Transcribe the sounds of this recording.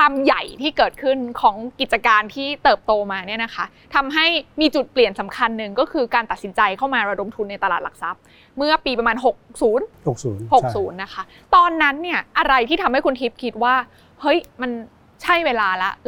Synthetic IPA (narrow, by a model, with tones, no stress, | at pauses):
waː˧mja˨˩jt̪ʰiː˥˩kɤː˨˩t̪̚kʰɯ˥˩nkʰɔː˩˦ŋki˨˩t̪̚t͡ɕa˧kaː˧nt̪ʰiː˥˩t̪ɤː˨˩p̚t̪oː˧maː˧ni˥˩ɐna˦˥kʰa˦˥ | t̪ʰa˧mɦa˥˩jmiː˧t͡ɕu˨˩t̪̚pli˨˩ənsa˩˦mkʰa˧nːɯ˨˩ŋkɔː˥˩kʰɯː˧kaː˧nt̪a˨˩t̪̚si˩˦nt͡ɕa˧jkʰa˥˩wmaː˧ɾa˧do˧mt̪ʰu˧nːa˧jt̪a˧laː˨˩la˨˩k̚sa˨˦˥p̚ | mɯ˥˩ɐpiː˧pɾa˧maː˧nɦo˨˩k̚suː˩˦nho˨k̚suː˩˦nho˨˩k̚suː˩˦nːa˦˥kʰa˦˥ | t̪ɔː˧nːa˦˥nːi˥˩ɐʔa˧ɾa˧jt̪ʰiː˥˩t̪ʰa˧mha˥˩jkʰu˧nt̪ʰi˦˥p̚kʰi˦˥t̪̚waː˥˩ | hɤ˦˥jma˧n | t͡ɕʰa˥˩jweː˧laː˧la˦˥ʔ